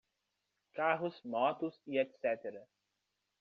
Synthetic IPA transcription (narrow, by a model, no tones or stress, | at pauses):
kaɦʊsmɔːt̪usiɛt̪sɛt̪eɾa